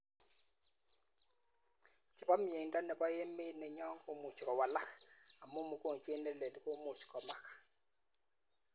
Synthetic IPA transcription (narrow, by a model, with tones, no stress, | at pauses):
t͡ʃɪ˨ba˦m˦e˨ndɔ˦nɛ˨bɔ˦je˦me˦nɛ˨ɲɔ˦ŋ˦ko˦mu˨t͡ʃi˨kɔ˨wa˨la˦ka˨mo˦mu˨ko˦˨ŋt͡ʃwe˦nɛ˦le˨n˨ko˦mo˨t͡ʃi̥˨kɔ˨ma˨kḁ˨